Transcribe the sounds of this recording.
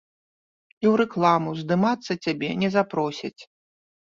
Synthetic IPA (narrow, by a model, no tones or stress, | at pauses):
iwɾɛklˠamuzd̪ɨmat̪sːɐt͡sʲabʲɛnʲɛzapɾɔsʲɐt͡sʲ